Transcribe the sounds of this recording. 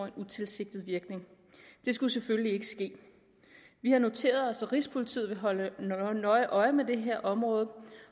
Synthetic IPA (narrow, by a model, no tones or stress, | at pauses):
enut͡sʰe̝lse̝ɡ̥̚d̥ð̩ˠʋiɐɡ̥ne̝ŋ | d̥e̝sɡ̥useføləlie̝ɡ̥əsɡ̥e̝̰ː | ʋihɑ̈no̝t͡sʰe̝̰ːɐð̞ˠɒ̽sæʁispʰo̝lit͡sʰḭð̩ˠʋe̝ɦɒ̽lənɒ̽ɪʔɒ̽ɪmed̥e̝ɦeɐ̰ʔɒ̽mʁɔ̽ːð̩ˠ